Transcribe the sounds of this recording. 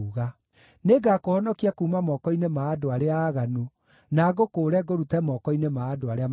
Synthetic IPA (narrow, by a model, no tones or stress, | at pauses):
uɣa | neɡakohɔnɔkiakuːmamɔːkɔinemaːdoaɾeaːɣanu | naɣokoːɾɛɡoɾutɛmɔːkɔinemaːdoaɾea